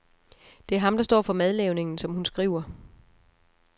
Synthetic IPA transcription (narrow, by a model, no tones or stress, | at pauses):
d̥e̝æɐɦɑ̈md̥ɑ̈sd̥ɒ̰ːfɒ̽með̞ˠleʊne̝ŋn̩sɒ̽mhunsɡ̥ʁiːʊ̰ɐ